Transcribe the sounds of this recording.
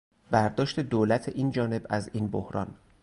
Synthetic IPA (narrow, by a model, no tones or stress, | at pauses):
bæɾd̪ɒːʃt̪e̞d̪oːlæt̪ʰeʔiːnd͡ʒɒːne̞bæziːnbohɾɒ̰n